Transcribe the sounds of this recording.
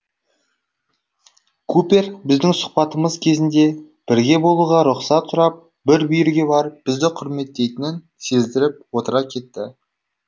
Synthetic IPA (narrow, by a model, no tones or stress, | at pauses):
kʰupʲe̞rbɪzd̪ɪŋsʊ̥qpɑt̪əməzkʲʰe̞zɪnd̪e̞ | b̥ɪɾɡʲe̞bo̞lˠuʁɑɾʊqsɑt̪sʊɾɑp̚ | bɪɾbijɪɾɡʲe̞bɑɾəp̚b̥ɪzd̪ɪqʰʊɾme̞t̪ːe̞jt̪ɪnɪn | se̞zd̪ɪɾɪp̚wo̞t̪əɾɑkʲʰe̞t̪ːɪ